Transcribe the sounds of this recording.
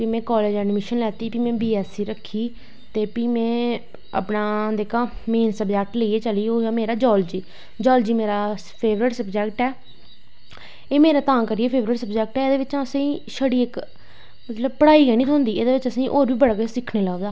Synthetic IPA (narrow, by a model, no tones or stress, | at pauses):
piːmɛ̃ːkɔːleːd͡ʒɛːɖmɪʃənlɛːt̪iːpiːmɛ̃ːbiːɛːsiːɾəkʰːiː | t̪eːpiːmɛ̃ː | ə̰pnaːd̪eːkãːmeːnsəbd͡ʒɛːk̚ʈləieːt͡ʃəliːoːmeːɾaːd͡ʒɔːld͡ʒiː | d͡ʒɔːld͡ʒiːmeːɾaː | pʰeːʋɾɪʈsəbd͡ʒɛːk̚ʈɛː | eːmeːɾaːt̪ãːkəɾieːpʰeːʋɾɪʈsəbd͡ʒɛːk̚ʈɛːeːd̪eːʋɪt͡ʃãːəsãːʃəɽiːɪk | mət̪ləbpəɽaːiːɡɛːñiːsʰɔ̃ːnd̪iːeːd̪eːʋɪt͡ʃəsĩːʔoːɾʋiːbəɽɡesɪkʰneːləod̪aː